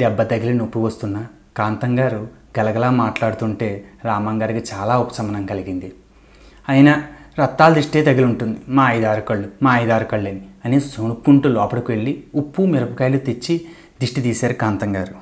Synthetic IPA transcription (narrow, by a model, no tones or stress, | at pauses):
ɖɛbːɐt̪ɐɡilɐnopːuʋɐst̪unːɐ | kaːnt̪ɐŋɡaːɾu | ɡɐlɐɡɐlaːmaːʈlaːɽut̪uɳʈe̞ːɾaːmɐŋɡaːɾikit͡ʃaːlaːupɐ̥sɐmɐnɐŋkɐliɡind̪i | ɐjinɐɾɐt̪ːaːld̪ɾiʂʈe̞ːt̪ɐɡiluɳʈund̪imaːɐjd̪aːɾukɐɭːumaːɐjd̪aːɾukɐɭːeniɐnisoɳukːuɳʈuːlɔːpɐɽɐkuʋe̞ɭːiupːumiɾɐpukɐjlut̪et͡ʃːi | d̪ɾiʂʈit̪iːsaːɾukaːnt̪ɐŋɡaːɾu